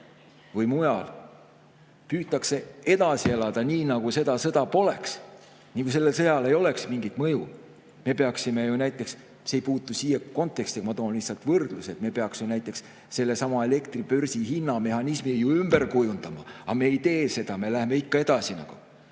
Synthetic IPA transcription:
vɯjmujɑl | pyːt̪ːˑɑkse̞e̞d̪̥ɑsie̞lɑd̪ɑniːnɑɡ̥use̞d̪̥ɑsɤ̞d̪̥ɑpo̞le̞ks | niːkus̬e̞lːe̞lsɤjɑle̞jo̞le̞ksmiŋɡit̪ˑmɤju | me̞pe̞ɑksime̞junæjt̪ːˑe̞ks | seejpuːt̪ːˑusiːjeko̞nt̪ːˑe̞kst̪ikɑmɑt̪oːnlisːɑlt̪ˑvɤrd̪̥luse̞t̪me̞pe̞ɑksjunæjt̪ːˑe̞ks | se̞lːe̞sɑmɑe̞le̞kt̪ripø̞rsihinːɑme̞hɑnismijuymb̥e̞rkujund̪̥ɑmɑ̰ɑme̞ːjt̪e̞ːse̞d̪̥ɑme̞læheme̞ikːɑe̞d̪̥ɑsinɑ̰ɡ̥u

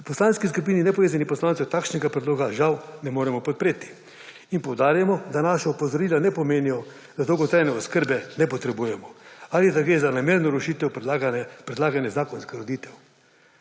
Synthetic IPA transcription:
upɔslaːnskiskupiːninɛpɔʋeːzanipɔslaːnt̪sɛwt̪akʃnɛɡapɾɛd̪loːɡaʒawnɛmoːɾɛmɔpɔt̪̚pɾeːt̪i̥ | inpɔwd̪aːɾjamɔd̪anaːʃaupozɔɾiːlanɛpɔmeːnijɔ | d̪ad̪owɡɔt̪ɾajnɛɔskəɾbɛnɛpɔt̪ɾɛbuːjɛmɔalid̪aɡɾeːzanameːɾnɔɾoʃiːt̪ɛwɡpɾɛd̪laːɡanjɛzaːkɔnskaɾod̪iːt̪ɛw

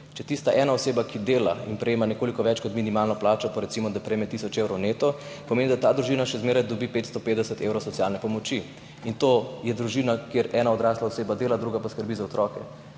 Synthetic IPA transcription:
t͡ʃɛt̪ist̪aʔɛːnaɔseːbakʰid̪eːla̰inpɾɛjeːmanɛkoːlikɔʋɛt͡ʃkɔt̪minimalnɔplaːt͡ʃɔpɔɾɛt̪simɔd̪apɾɛjemɛt̪isɔt͡ʃewɾɔwneːt̪ɔpɔmeːnid̪at̪aːd̪ɾuʒinaʃɛzmeːɾajd̪ɔbipeːt̪st̪ɔpeːt̪d̪ɛsɛt̪ewɾɔsɔtsjaːlnɛpɔmɔt͡ʃi | int̪ojɛd̪ɾuʒiːnakjeɾɛːnaɔd̪ɾaːslaɔseːbad̪eːlad̪ɾuɡapaskəɾbizaot̪ɾɔkɛ

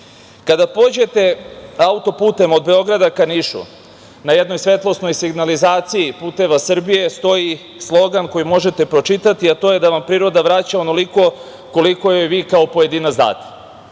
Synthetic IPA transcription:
kad̪apo̞d͡ʑe̞t̪e̞aut̪o̞puːt̪e̞mo̞d̪be̞o̞ɡɾad̪akaniʃṵ | najed̪no̞jsʋe̞t̪lˠo̞sno̞jsiɡnalizaːt̪sijipuːt̪e̞ʋasr̩bije̞st̪o̞ji | slˠo̞ɡanko̞jimo̞ʒe̞t̪e̞pɾo̞t͡ʃit̪at̪iat̪o̞je̞d̪aʋampɾiːɾo̞d̪aʋɾat͡ɕaono̞liko̞ | ko̞liko̞jojʋiːkao̞po̞je̞d̪iːnat̪zd̪a̰ːt̪e̥

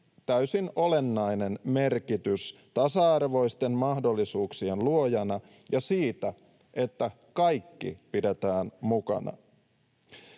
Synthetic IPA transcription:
t̪æysinʔo̞le̞nːɑjne̞nme̞rkit̪yst̪ɑsɑɑrʋo̞ist̪e̞mmɑhdo̞lːisuːksienluo̞jɑnɑ | jɑsiːt̪æ | ʔe̞t̪ːæ | kɑjkːḭpidet̪æːnmukɑ̰nɑ̰

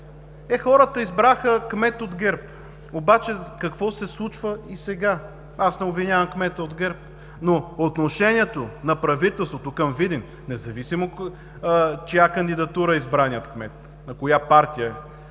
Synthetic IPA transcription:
ɛxɔɾət̪əizbɾaxəkmɛt̪od̪ɡɛɾp | obat͡ʃɛkɐkvɔsɛslˠut͡ʃvəisɛɡa | asnɛobvinʲjavɐmkmɛt̪əod̪ɡɛɾp̚ | noot̪noʃɛnʲiɛt̪onɐpɾɐvit̪ɛlˠst̪vot̪okɐmvid̪in | nɛzɐvisimo | t͡ʃɛjakɐnd̪id̪ɐt̪uɾəizbɾanʲjət̪kmɛt̪ | nɐkojapaɾt̪ijəɛ

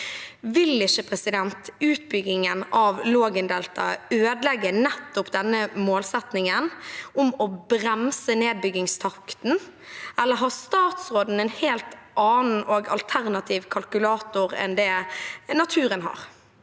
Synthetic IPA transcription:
ʋɪlɪçəpʰɾɛsɪd̪ɛnt̪ʉːt̪̚bʏɡɪŋənɑʋloːɡənd̪ɛlt̪ɑ̰øːd̪lɛɡːənɛt̪ːʊpd̪ɛnːəmoːlsɛt̪nɪŋənʊmɔbɾɛmsəneːd̪̚bʏɡɪŋst̪ʰɑkt̪n̩ɛlːəɾɦɑːst̪ɑːt̪sɾoːd̪n̩ɛnheːlt̪ʔɑːnn̩ʔoːɡɑ̰lt̪ʰæɾnɑt̪ʰiːʋkʰɑlkʉlɑːt̪ʊɾɛ̰nd̪ɛːnɑt̪ʰʉːɾənɦɑ̰ːɾ

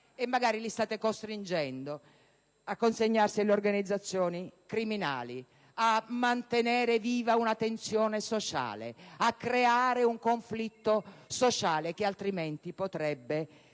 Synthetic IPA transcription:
ɛmːaɡaːɾilist̪aːt̪ekost̪ɾind͡ʒɛnd̪o | akːonseɲːarsileorɡanid̪zːat̪sːjɔːnikɾimina̰ːli | amːant̪enɛːɾeviːvaunat̪ent̪sjɔːnesot͡ʃa̰ːlḛakːɾeaːɾeuŋkoɱflit̪ːosot͡ʃaːlek̟ɪalt̪ɾimɛnt̪ipot̪ɾɛbːe

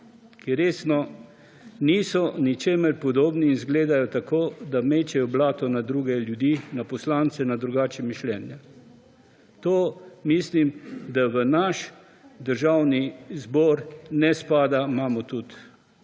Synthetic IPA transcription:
kiɾeːsnɔ | niːsɔnit͡ʃeːməɾpɔd̪oːbniːnzɡleːd̪ajɔt̪akoːd̪ameːt͡ʃɛjɔblaːt̪ɔnad̪ɾuːɡɛljud̪inapɔslaːnt̪sɛnad̪ɾuɡaːt͡ʃɛmiʃlɛːnja | t̪oːmislimd̪aʋənaʃ | d̪əɾʒawnizbɔːɾnɛspaːd̪amaːmɔt̪ut̪

